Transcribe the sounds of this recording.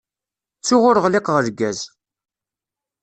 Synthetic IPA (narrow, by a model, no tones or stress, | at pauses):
t͡sːʊʁʊɾəʁliqʁəɾɡːæz